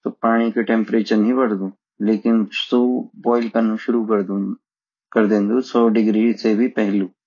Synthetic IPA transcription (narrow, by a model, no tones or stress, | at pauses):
t̪opaːɽ̃ikeʈẽmpɾeːt͡ʃənɦĩʋɐɽd̪ũː | leːkɪnsoːbɔːɪlkɐnũʃʊɾukɾ | kɐɾd̪ẽːnd̪usɔːɖɪɡɾiːsebʱipɐɦluː